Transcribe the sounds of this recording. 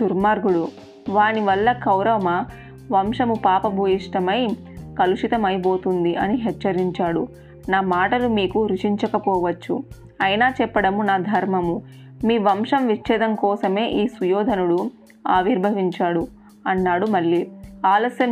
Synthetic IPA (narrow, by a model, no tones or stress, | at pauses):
d̪uɾmaːɾɡuɽu | ʋaːniʋɐlːɐkɐwɾɐʋɐmɐ | ʋɐmʂɐmupaːpɐbʱuːjiʂʈɐmɐj | kɐluʂit̪ɐmɐjip̬oːt̪und̪iʔɐniɦɛt͡ʃːɐɾiɲt͡ʃaːɽu | naːmaːʈɐlumiːkuɾuʂiɲt͡ʃɐkɐpɔːʋɐt͡ʃːṵ | ɐjnaːt͡ʃɛpːɐɽɐmunaːd̪ʱɐɾmɐmumiːʋɐmʂɐmʋit͡ʃːɛːd̪ɐŋkɔːsɐme̞ːʔiːsujɔːd̪ʱɐnuɽu | aːʋiɾbʱɐʋiɲt͡ʃaːɽu | ɐnːaːɽumɐɭːiaːlɐsjɐm